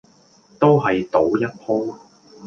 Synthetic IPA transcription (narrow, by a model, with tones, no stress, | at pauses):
t̪o˥wɦɐ˨jt̪o˨˥wjɐ˥t̚pʰoː˥